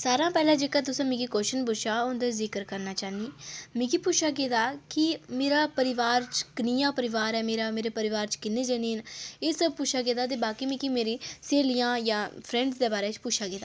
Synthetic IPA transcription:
saːɾãːpɛːlãːd͡ʒeːkaːt̪ʊsãːmĩːkiːkoːʃənbʊʃʰaːʊnd̪eːzɪkəɾkəɾnaːt͡ʃaːniːmĩːkipʊʃʰaːk̬eːt̪aːkɪmeːɾaːpəɾɪʋaːɾt͡ʃkənijãːpəɾɪʋaːɾɛːmeːɾaːmeːɾeːpəɾɪʋaːɾt͡ʃkɪneːd͡ʒeːneːneːsəb̚pʊːʃʰaːkeːt̪aːt̪̬eːbaːkiːmĩːkimeːɾĩːseːlijãːjãːpʰɾɛ̃ːɳɖzd̪eːbaːɾeːt͡ʃpʊʃʰaːkeːt̪aː

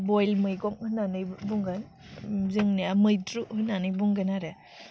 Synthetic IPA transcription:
bɔjlmɯjɡɔŋhɯnanɯjbuŋɡan | zɯŋniamɯjtɾuhɯnanɯjbuŋɡanaɾɯ

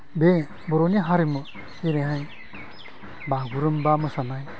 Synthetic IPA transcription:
be | bɔɾoniɦaɾimɯ | iɾeɦaj | baɡuɾɯmbamɯsanaj

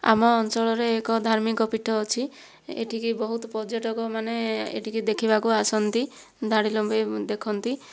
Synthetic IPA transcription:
a̰mɔːnt͡ʃɔɭɔɾeːkɔd̪ʱaɾmikɔpiʈʰːɔːt͡ʃʰi | ḛʈʰikibɔɦut̪ɔpɔd͡ʒoʈɔkɔmaneḛʈʰikid̪ekʰibakuasɔnt̪i | d̪ʱaɽilɔmbed̪ekʰɔnt̪i

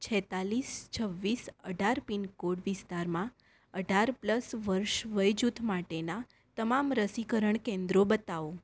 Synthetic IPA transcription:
t͡ʃʰɛt̪alist͡ʃʰəʋːisəɖʱaɾpinkoɽʋɪst̪aɾmã | əɖʱaɾpləsʋəɾʃʋəjd͡ʒut̪ʰmaʈena | t̪əmamɾəsikəɾəɳkẽnd̪ɾobət̪aʋo

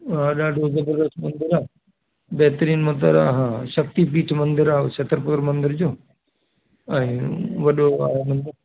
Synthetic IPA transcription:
ɦãːɗaɖoːzɐbəɾd̪əsʈmɐ̃nd̪ɪɾaː | bɛɦt̪ɾiːnmɐt̪ə̰ɾa̰ːɦãːʃɐk̚t̪ipiːʈʰmɐ̃nd̪ɪɾaːsɐt̪əɾpʊt̪əɾmɐ̃nd̪ɪɾd͡ʑoː | ɛ̃ːʋɐɗoa̰ːmɐ̃nd̪ɪɾ

